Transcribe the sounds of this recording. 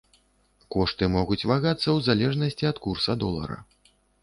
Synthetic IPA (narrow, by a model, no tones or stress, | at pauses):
kɔʂt̪ɨmɔɣut͡sʲvaɣat̪sːɐwzalʲɛʐnɐsʲt͡sʲiɐt̪kursɐd̪ɔlˠɐ̰ɾɐ̰